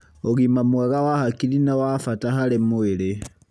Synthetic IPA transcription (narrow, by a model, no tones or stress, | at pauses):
oɣimamwɛɣawahakiɾinawafataɦaɾemoeɾe